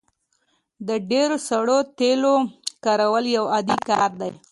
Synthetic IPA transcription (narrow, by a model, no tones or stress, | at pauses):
d̪əɖeɾosaɽot̪elokɑɾawəljawad̪ikɑɾd̪a̰j